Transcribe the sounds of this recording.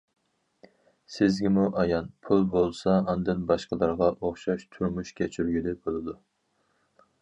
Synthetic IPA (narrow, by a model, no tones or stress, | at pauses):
sɪzɡʲimuʔɑjɑnpʰulˠbolˠsɑɑnd̪ɨnbɑʃqəlˠɨɾʁɑʔoχʃɑʃt̪ʰuɾmuʃkʲʰɛt͡ʃʰyɾɡʲylɪbolˠɨd̪u